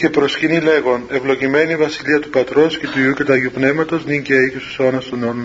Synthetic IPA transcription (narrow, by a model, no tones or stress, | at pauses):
ce̞pɾo̞scinile̞ɣo̞ne̞vlo̞cime̞nivɐsiliɐt̪upɐt̪ɾosce̞t̪uiucet̪ɐʝupne̞vmɐt̪o̞zniɲceicesu̥sonɐst̪unon